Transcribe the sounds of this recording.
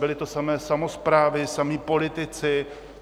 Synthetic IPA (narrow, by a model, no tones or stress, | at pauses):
bɪlɪt̪osamɛːsamo̞spɾaːvɪsamiːpo̞lɪt̪ɪt͡sɪ